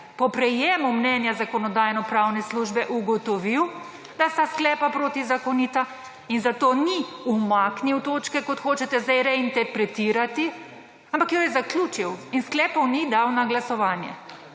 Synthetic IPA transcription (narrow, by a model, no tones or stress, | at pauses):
pɔpɾɛjeːmumnɛːnjazakɔnɔd̪aːjnɔpɾawnɛsluʒbɛʔuɡɔt̪ɔʋiw | d̪ast̪asklɛːpapɾoːt̪izakɔnit̪a | inzat̪oːniumakniwt̪oːt͡ʃkɛkɔt̪xoːt͡ʃɛt̪ɛzd̪ajɾɛint̪ɛɾpɾɛt̪iːɾat̪i | ampakjɔjɛzaklʲuːt͡ʃiwinsklɛːpɔwnid̪awnaɡlasɔʋaːnjɛ̰